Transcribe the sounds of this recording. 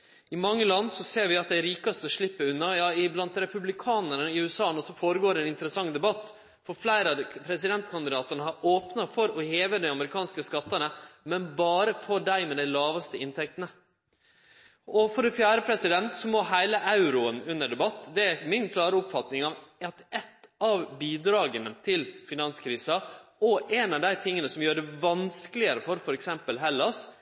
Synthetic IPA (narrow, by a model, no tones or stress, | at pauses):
ɪmɑŋːəlɑnːsɔseːɾʋɪɑt̪̚d̪æɾiːkɑst̪əɔʂɭɪpːəʉnːɑjɑːɪblɑnt̪ɾɛpʉblɪkʰɑːnəɳəɪʉːɛsɑːnɔsɔfoːɾəɡoːɾɛːnɪnt̪əɾəsɑŋːd̪ɛbɑt̪ː | fɔflæɪɾəɑpʰɾɛsɪd̪ɛnt̪kʰɑnd̪ɪd̪ɑːt̪əɳəhɑɾʔoːpnɑfɔɾɔheːʋəd̪ɛɑməɾɪkʰɑːnskəskɑt̪ːənəmɛnbɑːɾəfɔɖæɪmɛd̪æɪlɑːʋɑst̪əɪnt̪ʰɛkt̪ənə | ɔfɔɾɛfjæːɾəpʰɾɛsɪd̪ɛnt̪sɔmɔɦæɪləʔɑʉɾʊənʉnːəɖɛbɑt̪ːd̪ɛæmɪnkʰlɑːɾəʊpfɑt̪nɪŋɑʋɑt̪ɛt̪ːɑʋbiːd̪ɾɑːɡənət̪ʰɪlfɪnɑnskʰɾiːsɑɔʔɛnɑʋd̪æɪt̪ʰɪŋːənəsɔmjøːɾəɖæʋɑnskəlɪəɾəfɔɾfɔɾɛksɛmpəlɦɛlːɑs